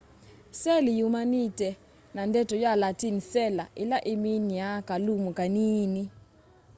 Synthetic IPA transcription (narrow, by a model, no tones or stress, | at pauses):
sɛlijumanitɛ | nandɛtɔjalatinsɛla̰ʔɪlaʔɪminjakalumokaniːni